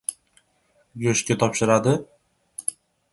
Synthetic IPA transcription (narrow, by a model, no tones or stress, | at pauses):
jɵʃkʲat̪ʰɒpʃɪɾad̪ɪ